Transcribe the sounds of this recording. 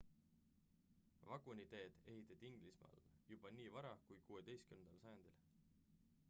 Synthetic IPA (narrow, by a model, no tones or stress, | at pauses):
vɑɡ̥unit̪e̞ːd̪̥e̞ɦit̪ːˑɑd̪̥ʲiiŋɡ̥lismɑ̰lːjub̥ɑniːvɑɾɑkujkuːwed̪̥e̞jskymned̪ɑlsɑjɑnd̪̥il